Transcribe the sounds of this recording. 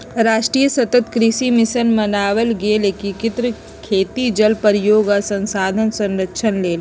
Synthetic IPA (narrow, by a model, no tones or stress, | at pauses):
ɾaːʃʈɾiːjəsɐt̪ət̪kɾɪʃimɪsənmɐnaːʋəlɡieleːkĩkɪt̪ɾə | kʰeːt̪id͡ʒɐlpəɾjoːɡasə̃nsaːd̪ʱənsə̃nɾəkʃʰənleːl